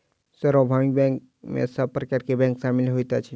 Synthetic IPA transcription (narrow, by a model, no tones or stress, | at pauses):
səɾɔbʱamik̚bɛ̃ŋk | mḛsəbpɾəkaɾkebɛ̃ŋksamilɦojt̪at͡ʃʰi